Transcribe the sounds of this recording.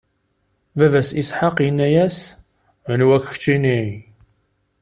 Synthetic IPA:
vævæsisħaqjənːæjæs | ənwæçxə̥t͡ʃːinij

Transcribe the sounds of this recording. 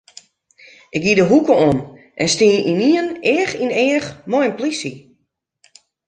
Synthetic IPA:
ɪk̚ɡidəɦukəom | ʔɛnstiːiniənɪəxinɪːəxmɔjənplisi

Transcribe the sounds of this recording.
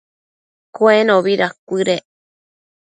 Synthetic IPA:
koenõβiɾakʷɨɾe

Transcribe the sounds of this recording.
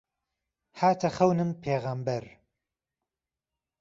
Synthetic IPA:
haːt̪ʰɐχɐwnɨmpʰeːɣambɐɾ

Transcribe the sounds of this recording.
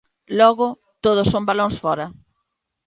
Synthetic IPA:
lɔɣʊ | t̪oð̞ʊsːombaloŋsfɔɾɐ

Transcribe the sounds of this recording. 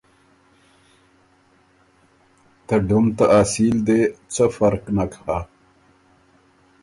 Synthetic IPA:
t̪əɖumt̪aʔaːsild̪et͡səfɐɾqnakha

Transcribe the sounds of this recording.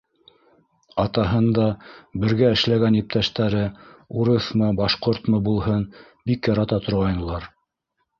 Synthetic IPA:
ɑt̪ɑɦɤnd̪ɑbɘ̆ɾɡæɘ̆ʃlæɡænjip̚t̪æʃt̪æɾɘuɾɤθmɤbɑʃqoɾt̪mɤbulˠɦɤn | bikjɑɾɑt̪ɑt̪ŏɾʁɑjnɤ̆lˠɑɾ

